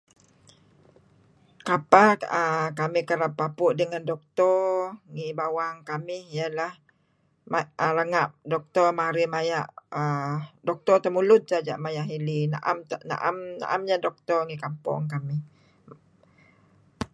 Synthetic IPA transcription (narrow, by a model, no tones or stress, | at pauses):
kapaəkamihkəɾapːapʊʔdəŋandɔk̚t̪ɔrŋibawaŋkamɪhijalah | maʔələŋap̚dɔk̚t̪ɔrmaɾimajaʔədɔk̚t̪ɔrt̪əmulʊt̪̚sad͡ʒa̰ʔmajaʔɦilina̰ʔa̰mna̰ʔamna̰ʔamɲadɔk̚t̪ɔrŋikampɔ̰ŋkamih